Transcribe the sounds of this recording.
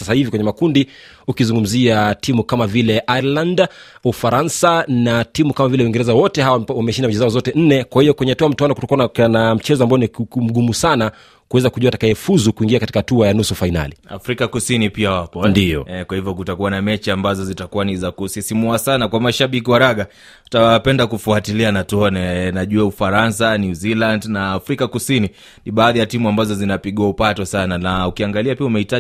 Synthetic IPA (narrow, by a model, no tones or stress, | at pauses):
sasahivikwɛɲɛmakundi | ukizuŋɡum̩ziatʰimukamavilɛʔaiɾland | ufaɾansanatimukamavilɛwiŋɡɛɾɛzawɔtɛhawawamɛʃindamɛt͡ʃɛzaɔzɔtɛn̩nɛkwahijɔkwɛɲɛhatuam̩tuandaku̥takuanam̩t͡ʃɛzɔambaɔnim̩ɠumusana | kuwɛzakuʄuwatakajɛfuzukuiŋɡiakati̥kahatuajanusufaina̰lia̰fɾikakusinipiawapɔndiɔ̰ɛkwahivjɔk̬utakuwanamɛt͡ʃiambazɔzitakuwanizakusisimuasanakwamaʃaɓikiwaɾaɠa | u̥tawapɛndakufuatilianatuɔnɛnaʄuɛufaɾansanjuzilandnaːfɾikakusini | niɓaːðijatimuambazɔzinapiɠuaupatɔsananaukiaŋɡaliapiaumɛita